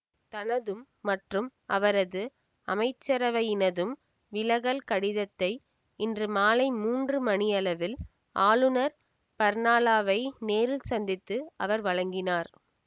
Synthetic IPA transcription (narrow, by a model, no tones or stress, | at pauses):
t̪ɐnɐðɯmːɐʈrɯmʔɐʋɐɾɐðɯ | ɐmɐɪt͡ʃːɐɾɐʋɐjɪnɐðɯm | ʋɪlɐɣɐlkɐɽɪðɐt̪ːɐɪ | ɪndrɯmaːlɐɪmuːndrɯmɐɳɪjɐlɐʋɪl | ʔaːlɯnɐɾ | pɐɾnaːlaːʋɐɪneːɾɪlsɐnd̪ɪt̪ːɯɐʋɐɾʋɐɻɐŋɡɪnaːɾ